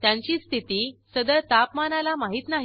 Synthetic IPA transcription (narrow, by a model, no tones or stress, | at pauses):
t̪jaɲt͡ɕiːst̪ʰit̪iːsəd̪əɭt̪apmanalamaɦiːt̪naɦ